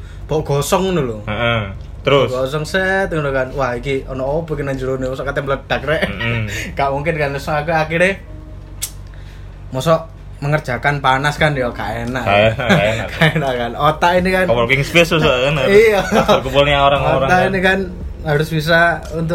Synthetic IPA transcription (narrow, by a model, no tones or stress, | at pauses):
b̥ɔʔɡ̥ɔsɔŋnuluəʔə | t̪əɾʊsɡosɔŋsɛt̪ŋdukanwahikiɔnɔʔobo̤kɪnaɲd͡ʒuɾunimɔsɔʔkat̪ɛmələd̥ak̚ɾɛʔŋɡaʔmuŋkɪnkanɔsɔakuakiɾe | mɔsɔʔ | məŋərd̥ʒ̥a̤kanpanaskanjɔkaʔenaʔaakaenaʔkanot̪aʔinikanpɔkɪŋspesusaenaiaərkupulaoɾaŋoɾat̪ainikan | ɦaɾʊsb̥is̬a | unt̪̬ʊʔ